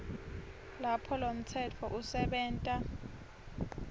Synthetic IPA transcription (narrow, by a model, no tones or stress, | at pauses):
lapʰɔlom̩tʰɛtʰɔʔusɛɓɛːntʼa